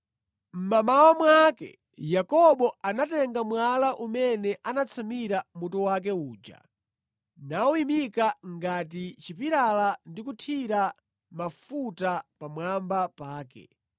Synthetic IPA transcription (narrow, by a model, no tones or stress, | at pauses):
m̩mamawamwakɛ̰ | jakɔɓɔanatɛŋɡamwalaʔumɛnɛʔanat͡sʰamiɾamutɔwak̬ɛuːd͡ʒa̰ | nauimikaŋɡat̬it͡ʃipiɾalandikutʰiɾa | mafutapamwambapaːkɛ̰